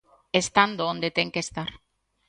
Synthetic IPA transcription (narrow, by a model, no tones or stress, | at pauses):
est̪and̪oõnd̪et̪eŋkest̪aɾ